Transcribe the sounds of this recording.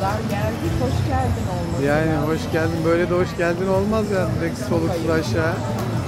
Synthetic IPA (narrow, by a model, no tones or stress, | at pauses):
aælʲd̪ihoʃɟælʲd̪inolˠmajaːniɦo̞ʃɟælʲd̪inbø̞jlʲed̪ɛhoʃɟælʲd̪ino̞lˠmazjaːnɾecʲi̥so̞lˠuuzaʃaː